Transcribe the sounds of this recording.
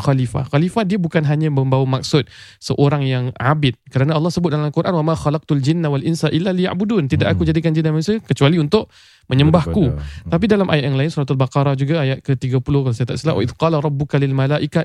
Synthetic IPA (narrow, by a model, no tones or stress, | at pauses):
xalifa̰xalifahdiəbukanɦaɲãməmbawamak̚sʊt̪̚səʔoɾaŋjaŋʕabɪt̪̚kəɾanaɑlːɑhsəbʊt̪̚dalamkuɾʔanwamaxalaq̚t̪uld͡ʒɪnːawalʔɪnsaʔilːalija̰ʔbudunt̪idaʔakud͡ʒadikand͡ʒinːamasəkət͡ʃualiunt̪ʊʔ | mʔə̃ɲəmbahkut̪ap̬idalamʔajat̪̚jaŋlaɪnsuɾat̪albaqɑɾˤahd͡ʒuɡaajat̪̚kət̪iɡapulʊhkalasat̪a̰ʔsilawʔa̰ʔɪd̪qɑlɾˤɑbːukalilmalaʔika